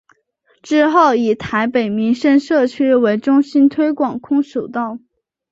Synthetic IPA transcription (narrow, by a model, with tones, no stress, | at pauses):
ʈ͡ʂɻ̩˥xo˥˩ʊi˨˩t̪ʰa˧˥ɪpe˨˩ɪmi˧˥ŋʂə˥˧nʂɤ˥˩t͡ɕʰy˥we˧˥ɪʈ͡ʂʊ˥ŋɕi˥nt̪ʰwe˥ɪkwɑ˨˩ŋkʰʊ˥ŋʂo˨˩ʊt̪ɑ˥˩ʊ